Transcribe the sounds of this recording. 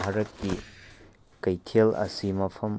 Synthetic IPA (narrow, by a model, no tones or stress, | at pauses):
ɦɐɾɐt̚ːi | kɐjtʰelɐ̰simɐpʰɐm